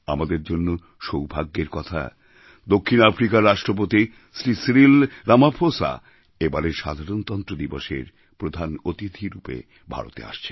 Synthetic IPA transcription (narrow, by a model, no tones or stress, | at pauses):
amad̪eɾd͡ʑonːo | ʃowbʱaɡːeɾkɔt̪ʰa̰ | d̪okʰːinafɾikaɾːaʃʈɾop̬ot̪i | sɾisɾilɾamapʰosa̰ | ebaɾeɾʃa̰d̪ʱaɾont̪ɔnt̪ɾod̪ibɔʃḛɾ | pɾod̪ʱanot̪it̪ʰiɾupḛ | bʱa̰ɾo̰t̪ḛa̰ʃt͡ɕʰe